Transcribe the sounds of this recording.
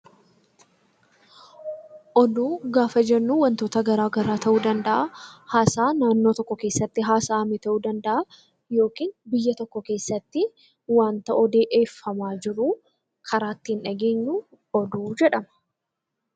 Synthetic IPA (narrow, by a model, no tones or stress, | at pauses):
ʔɔd̪uːɡaːfɐd͡ʒɛnːuːwɐnt̪o̞ːt̪ɐɡɐɾaːɡɐɾaːt̪ɐʔuːd̪ɐnd̪ɐʔahaːsaːnaːnːo̞ːt̪ɔkːɔke̞ːsːɐt̪ːɪɦaːsaːmɪt̪ɐʔuːd̪ɐnd̪ɐʔa | jo̞ːkiːnbɪjːɐt̪ɔkːɔke̞ːsːɐt̪ːɪ | waːnt̪ɐʔɔd̪e̞ːʔe̞ːfːɐmaːd͡ʒɪɾu | kʰɐɾaːt̪ːɪɪnᶑɐɡe̞ːɲːuː | ɔd̪uːd͡ʒɛᶑɐmɐ̥